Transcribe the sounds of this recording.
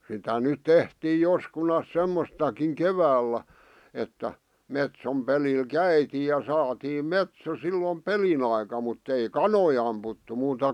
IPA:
sitæ nyt̆ tehtiː joskunɑs semːostɑkiŋ keʋæːlːæ etːæ metsom pelil kæitiːj jɑ sɑːtiːm metso silːom pelin ɑikɑ mutː ei kɑnoi ɑmputːu muːtɑ

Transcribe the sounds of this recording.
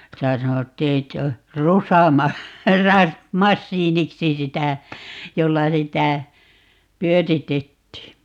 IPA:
sitæ sɑnotːiː etː o rusɑmɑ rɑ mɑsːiːniksi sitæ jolːɑ sitæ pyøritetːiː

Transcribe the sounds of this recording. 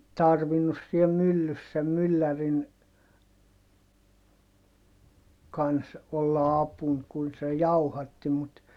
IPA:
tɑrʋinːus siɛ mylːys sem mylːærin kɑns olːɑ ɑpun kun se jɑuhɑtːi mut

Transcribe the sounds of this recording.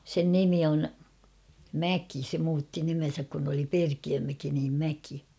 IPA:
sen nimi on mæki se muːtːi nimen̞sæk kun oli perkiømæki niːm mæki

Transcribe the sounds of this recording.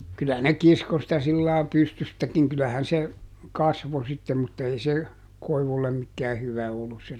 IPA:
kylæ ne kisko sitæ silːɑː pystystækiŋ kylæhæn se kɑsʋo sitːem mutːɑ ei se koiʋulːem mikːæː hyʋæ olːus se

